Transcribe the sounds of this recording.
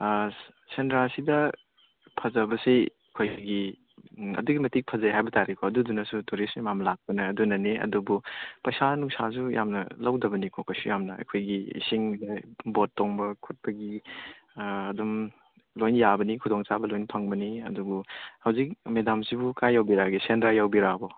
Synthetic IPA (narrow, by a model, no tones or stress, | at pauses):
sendɾasidɐ | pʰɐzɐbɐse | kʰojɡi | ɐ̰duɡimɐtik̚pʰɐzajɦajbɐtaɾikʰɔɐdudunasutuɾismimamɐlak̚pɐnɐːdunɐneɐ̰dubupɐjsanuksas̬ujʔa̰mnɐ̰lɐwdɐbɐnikʰɔkʰojsujamnɐɐ̰kʰojɡiḭsiŋdebotːoŋbɐkʰut̚pɐɡi | dum | lojnjabɐnikʰudɔŋt͡ʃabɐlojnpʰaŋbɐniɐ̰duɡuhɐwzik̚medamsibukajːawbiɾaɡisendɾajawbiɾabɔ